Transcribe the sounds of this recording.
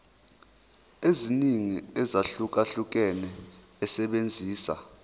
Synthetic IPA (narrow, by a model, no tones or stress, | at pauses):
eziniŋiɛzaɬuk̬ʼaɬuk̬ɛnɛː | sɛɓend͡zʱiːsa̰